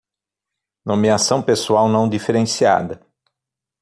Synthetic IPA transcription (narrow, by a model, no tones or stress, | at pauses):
nomiasɐ̃w̃pesuawnɐ̃w̃d̪ifeɾẽsia̰d̪ɐ